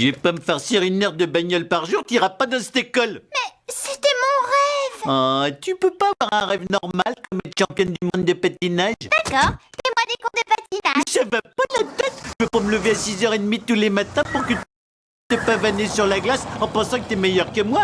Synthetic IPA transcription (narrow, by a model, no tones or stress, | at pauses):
ʒəvɛpaməfɛʁsiʁynɛʁd̪əbaɲɔlpaʁʒuʁt̪yiʁapad̪ɑ̃sɛ̥t̪ekɔlmɛsit̪ɛmɔ̃ʁɛvat̪ypøpavwaʁɛ̃ʁɛvnɔʁmalkɔmɛt̪ʃɑ̃pjɔnd̪ymɔ̃d̪d̪əpat̪inaʒd̪akɔʁɛmwad̪ekɔ̃d̪əpat̪inaʒavapalat̪ɛt̪ʒəvøpamələveasizœʁed̪mit̪ulemat̪ɛ̃puʁkət̪ | t̪ɛpavanesyʁlaɡlasɑ̃pɑ̃sɑ̃kət̪yɛmejœʁkəmwa